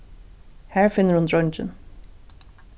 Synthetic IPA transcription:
hæːɹfɪnəɹʊnd̪ɹɔnd͡ʒə̰n

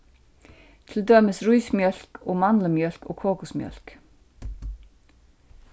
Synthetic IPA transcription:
t̪ʰɪld̪øːməsɾujsmjœl̥kɔɣmanləmjœl̥kɔ̰ːkʰoːkʊsmjœ̰l̥k

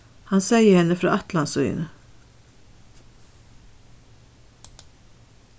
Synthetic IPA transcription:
hɑnsæɪəhɛnəfɾɑ̰ːʔɑt̪lɑnsʉʏə̰nə

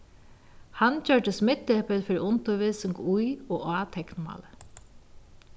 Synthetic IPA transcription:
hant͡ɕœɹd̪əsmɪt̪ːɛpəlfɪɾʔʊnt̪ʊʋiːsɪŋkujɔaːt̪ʰɛknma̰ːlə

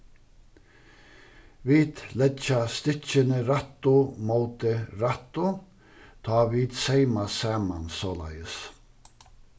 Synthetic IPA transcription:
viːt̪lɛt͡ʃast̪ɪt͡ʃənəɾat̪ːʊmowt̪əɾat̪ʊ | t̪ʰɑːviːt̪seɪmasaːmansɔːla̰jəs

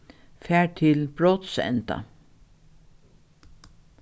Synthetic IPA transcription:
fæːɹt̪ʰɪlbɹoːt̪sɛ̰nt̪a̰

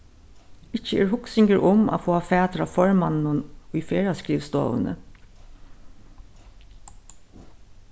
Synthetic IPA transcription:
ɪt͡ʃːəɛːɹɦʊksɪŋkəɾʔʊma̰foːafæːt̪ɾafɔɹmannʊnʊjfeːɹaskɹiːʋst̪o̰ːʋə̰nə̰

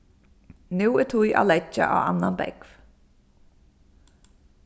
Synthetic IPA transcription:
nʉːɛt̪ʰujʔa̰ːlɛt͡ʃːa̰ʔa̰ːwa̰nːanbɛ̰kv

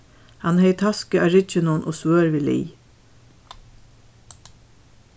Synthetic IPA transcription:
hɑnheɪt̪ʰɑskəɑɹɪt͡ʃənʊnʔo̰ːsʋøːɹʋiːlḭː

